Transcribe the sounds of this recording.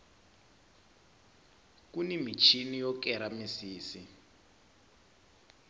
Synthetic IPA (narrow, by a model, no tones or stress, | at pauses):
kunimit͡ʃʰinijɔkɛɾamisiːsi